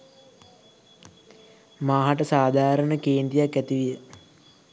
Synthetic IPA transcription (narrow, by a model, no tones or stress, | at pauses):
maːɦaʈəsaːd̪ʱaːɾənəkeːnt̪ijakːæt̪iʋijə